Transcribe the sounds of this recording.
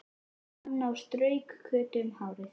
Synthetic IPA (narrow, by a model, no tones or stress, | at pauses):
anːawst̪ɾœːɥkʰːœːt̪ʏmhaːwɾɪθ